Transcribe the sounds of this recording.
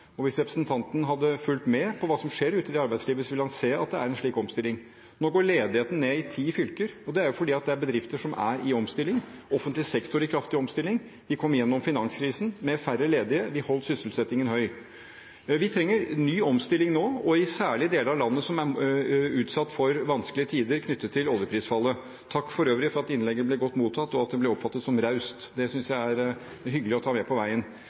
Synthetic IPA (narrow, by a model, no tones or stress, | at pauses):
ɔʋɪsɾɛpɾəsnt̪ʰɑnt̪ənɦɑd̪ːəfʉlt̪mɛpʰɔʋɑːsɔmʂeːɾʉːt̪ɪd̪ɛɑɾbæɪsliːʋəsɔʋɪlhɑnseːɑt̪̚d̪ɛæɾɛnʂɭiːkɔmst̪ɪlːɪŋ | noːɡoːɭeːd̪ɪheːt̪ən̩neːɪt̪ʰiːfʏlkəɾɔd̪ɛæɾjʊfɔɖiːɑt̪̚d̪ɛæɾbəd̪ɾɪft̪əʂɔmʔæ̰ɾɪɔmst̪ɪlːɪŋɔfənt̪lɪsɛkt̪ʊɾɪkʰɾɑft̪ɪɔmst̪ɪlːɪŋ | ʋɪkʰɔmːjɛnːɔmfɪnɑŋskʰɾiːsn̩mɛfærəleːd̪ɪəʋɪhɔlːt̪sʏsəlsɛt̪ːɪŋənhœʏ | ʋɪt̪ʰɾɛŋːəɾnyːɔmst̪ɪlɪŋnoːɔɪsæːɭɪd̪eːləɾɑlɑnːəsɔmæ | ʉːt̪sɑt̪ːfɔɾʋɑnsklɪət̪ʰiːd̪əɾkʰnʏt̪ːət̪ʰːɪlɔljəpʰɾiːsfɑlːə | t̪ʰɑkːfɔɾøːʋɾɪfɔɾɑt̪ɪnlɛɡːənəblɛɡɔt̪ːmuːt̪ʰɑt̪ːɔɑt̪̚d̪ɛblɛɔpfɑt̪ːət̪sɔmɾɑʉst̪d̪ɛsʏnsjæɪæɾ | ɦʏɡəlɪɔt̪ʰɑːmɛpʰɔʋæɪən